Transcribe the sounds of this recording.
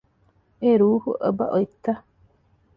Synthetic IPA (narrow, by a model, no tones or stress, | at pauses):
eɾuːhuʔə̰ba̰ʔojt̪ːa